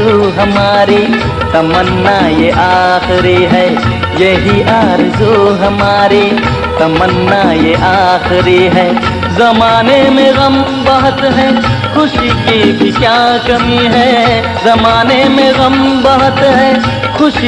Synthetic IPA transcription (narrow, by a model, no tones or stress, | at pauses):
uɦɐmaːɾi | t̪ɐmənːajeʔaːxɪɾiɦɛː | jeɦiʔaːɾzuɦɐmaːɾi | t̪ɐmənːajeʔaːxɪɾiɦɛː | zɐmaːnemẽɣɐm | bɐɦʊt̪ɦɛ | xʊʃikibʱikjaːkɐmiɦɛ | zɐmaːnemẽɣɐmbɐɦʊt̪ɦɛː | xʊʃ